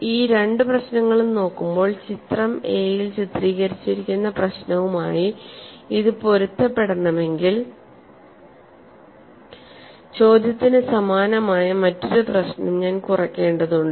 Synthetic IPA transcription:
iːɾe̞ɳɖɨprɐɕnɐŋːɐɭuno̞ːkːumbo̞ːɭt͡ɕit̪rɐme̞ːjilt͡ɕit̪riːɣɐɾit͡ɕːiɾikʲːunːɐprɐɕnɐʋumaːji | iðɨpo̞ɾut̪ːɐpːe̞ɽɐnːɐme̞ŋɡil | t͡ɕo̞ːd̪jɐt̪ːinɨsɐmaːnɐmaːjɐmɐtːoɾuprɐɕnɐmɲaːnkurɐkʲːe̞ːɳɖɐðuɳɖɨ

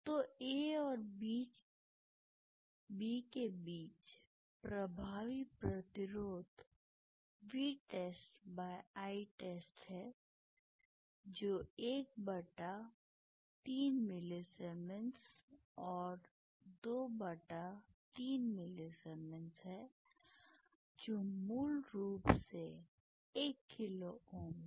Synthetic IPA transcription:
t̪oːeːɔːɾbiːt͡ʃ | bikebiːt͡ʃ | pɾɐbʱaːʋipɾɐt̪ɪɾoːd̪ | ʋiːʈeːsʈbaːjaːiʈeːsʈɦɛː | d͡ʒoːeːk̚bɐʈa | t̪iːnmɪlesɛːmə̃ns | ɔːɾ | d̪oːbɐʈat̪iːnmɪlesɛːmə̃nsɦɛː | d͡ʒoːmuːlɾuːpse | eːkʰːɪlooːm

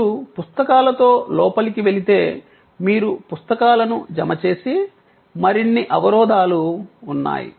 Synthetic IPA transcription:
upust̪ɐkaːlɐt̪o̞ːlɔːpɐlikiʋe̞lit̪e̞ː | miːɾupust̪ɐkaːlɐnud͡ʒɐmɐt͡ʃe̞ːsi | mɐɾinːiʔɐʋɐɾɔːd̪ʱaːluːnːa̰ːjḭ

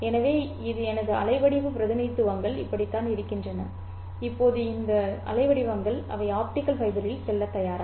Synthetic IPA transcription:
ɛnɐʋeː | ɪðɯɛnɐðɯɐ̰lɐɪʋɐɽɪʋɯpɪɾɐðɪnɐɪt̪ːɯʋɐŋɡɐɭɪpːɐɽɪt̪ːaːnɪɾɯkːɪndrɐnɐ | ɪpːoːðɯɪnd̪ɐɐ̰lɐɪʋɐɽɪʋɐŋɡɐɭɐ̰ʋɐɪaːp̚ʈɪkːɐlpɐɪðɐɾɪlsɛlːɐt̪ːɐjaːɾa

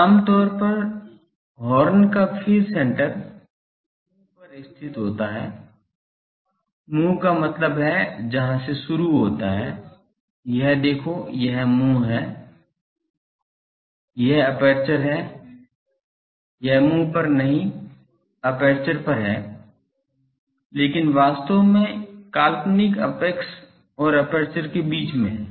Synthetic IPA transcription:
aːmt̪ɔːɾpɐɾ | ɦɔːɾənkafʰiːɾsɛ̃ːɳʈəɾ | ũ | pɐɾɪst̪ʰɪt̪ɦoːt̪aɦɛː | mũːkamɐt̪ləbɦɛd͡ʒɐɦãseʃʊɾuɦoːt̪aɦɛː | jɐɦd̪eːkʰojɐɦmũɦɛː | jɛɦɐpɛːɾt͡ʃəɾɦɛː | jɐɦmũːpɐɾnɐɦĩ | əpeːɾt͡ʃəɾpɐɾɦɛː | leːkɪnʋaːst̪omẽkaːlpnɪkə̰peks | ɔːɾəpeːɾt͡ʃəɾkebiːt͡ʃmḛ̃ɦɛ̃ː

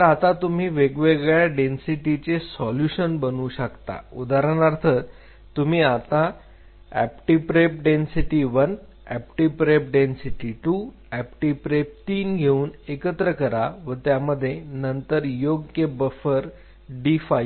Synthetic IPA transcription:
əɾat̪at̪um̤iːʋeɡʋeɡɭjaɖensiʈit͡sesɔljuɕənbənuːɕəkt̪a̰ud̪aɾəɳaɾt̪ʰəɾ | t̪um̤iːat̪a | æ̰p̚ʈipɾep̚ɖensiʈiʋən | æ̰pʈipɾep̚ɖensiʈiʈuː | æpʈipɾep̚t̪iːnɡʱeuːnekət̪ɾəkəɾaʋət̪jaməd̪ʱːjenənt̪əɾjoɡjəbəfəɾ | ɖifaj

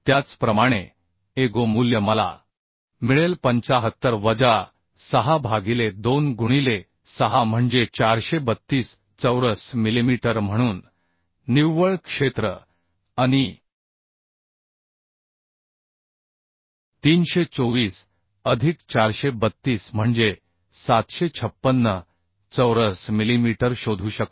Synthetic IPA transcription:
t̪jat͡spɾəmaɽ̃e | eɡomuljəməla̰ | miɭelpəɲt͡ɕaɦət̪ːəɾʋəd͡za | səɦabʱaɡiled̪onɡuɽ̃ile | səɦam̤əɳd͡zet͡ɕaɾɕebət̪ːiːs | t͡səwɾəsmilimiʈəɾm̤əɽ̃uːnː | iʋʋəɭkʂet̪ɾə̰ | aɽ̃i | t̪iːnɕet͡soʋiːs | əd̪ʱikt͡ɕaɾɕebət̪ːiːsm̤əɳd͡ze | sat̪ɕet͡ɕʰəpːənːə | t͡səwɾəsmilimiʈəɾɕod̪ʱuːɕəkt̪

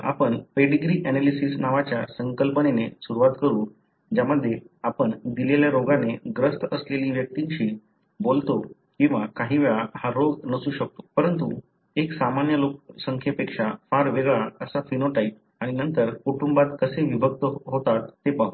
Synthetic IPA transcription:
a̰pəɳpeɖiɡɾiːʔɛnelisisnaʋat͡ɕjasəŋkəlpənenesuɾuʋat̪kəɾuːn | d͡ʑaməd̪ʱːje | apəɳd̪ileljaɾoɡaneɡɾəst̪əsleliːʋjək̚t̪iŋɕiː | bolt̪okĩw̃ʋakaɦiːʋeɭahaɾoɡnəsuːɕək̚t̪o̥pəɾənt̪u | eksamanjəlok̚səŋkʰjepekʂafaɾʋeɡɭaəsafinoʈaip̚ | aɽ̃inənt̪əɾkuʈumbat̪kəseʋibʱək̚t̪əɦot̪at̪ːepau

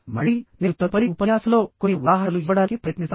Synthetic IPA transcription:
mɐ̰ɭineut̪ːɐpɐɽiupɐjaːsɐloːkoniʋaːɦɐɐluiʋɐɽaːkipɾɐjɐt̪nis

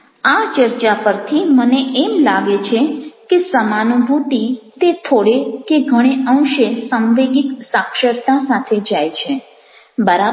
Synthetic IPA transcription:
at͡ʃəɾt͡ʃapəɾt̪ʰiməneʔemlaɡet͡ʃʰekesəmanubʱut̪it̪et̪ʰoɽekeɡʱəɽ̃eʔə̃w̃ʃesəŋʋeɡiksakʃəɾt̪asat̪ʰed͡ʒajt͡ʃʰe | bəɾa

